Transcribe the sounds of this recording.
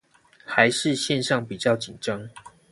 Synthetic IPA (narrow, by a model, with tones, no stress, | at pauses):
xa˨˦ɪʂɻ̩˥˨ɕjɛ˥˧nʂɑ˥˨˩ŋpi˨˩t͡ɕjɑ˥˨ʊt͡ɕi˨˩nʈ͡ʂɑ˦ŋ